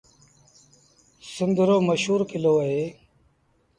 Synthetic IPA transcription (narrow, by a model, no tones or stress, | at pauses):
sʊnd̪əɾoːməʃɦuːɾkɪloːəɦeː